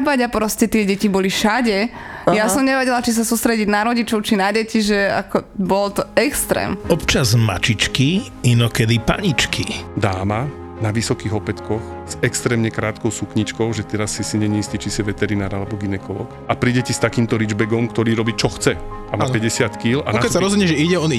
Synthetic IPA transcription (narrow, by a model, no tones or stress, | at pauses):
baɟapɾɔscɛt̪ɪɛɟɛcibɔliʃaɟɛ | jasɔmɲɛʋɛɟɛlat͡ʃis̬asuːst̪ɾɛɟiɟnaɾɔɟit͡ʃɔʊt͡ʃinaɟɛciʒɛa̰kɔbɔlt̪ɔɛkst̪ɾɛ̰ːmɔpt͡ʃazma̰t͡ʃit͡ʃki | inɔkɛd̪ipa̰ɲit͡ʃkʰid̪aːma | naʋisɔkiːɣɔpɛt̪kɔx | z̥ɛkst̪ɾɛːmɲɛkɾaːt̪kɔʊsukɲit͡ʃkɔʊʒɛt̪ɛɾasːisiɲɛɲiist̪it͡ʃisiɛʋɛt̪ɛɾinaːɾalɛbɔɡinɛkɔlɔ̰ːkapɾiːɟɛcist̪akiːmt̪ɔɾid͡ʒbɛɡɔmkt̪ɔɾiːɾɔbit͡ʃɔxt͡sɛamapɛɟɛsɪat̪kiːla̰nakɛsaɾɔzɦɔdɲɛʒɛiɟɛɔn